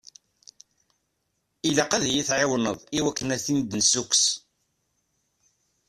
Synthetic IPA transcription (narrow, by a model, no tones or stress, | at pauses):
ilaqaðæjiθʕɪwnə̰ðˤiwækːənæθind̪nsuks